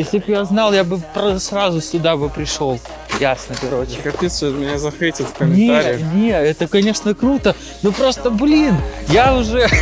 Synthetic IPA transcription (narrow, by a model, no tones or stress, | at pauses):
jesʲlʲɪbjaznɑlˠjabɨpɾəsrazʊsʲʊd̪abɨpɾʲɪʂo̞lˠ | jasnəkɐokɐpʲit̪səət̪mʲɪnʲazɐxvʲetʲɪt̪fkəmʲɪnʲeaɾʲɪnʲeɛt̪əkɐnʲe̞ʂnəkɾut̪ə | nopɾo̞st̪əblʲinjaʊʐɛ